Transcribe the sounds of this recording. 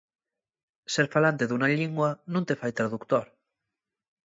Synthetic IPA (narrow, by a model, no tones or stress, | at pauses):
seɾfalant̪eðunaʎiŋɡwanũnt̪efajt̪ɾaðukt̪oɾ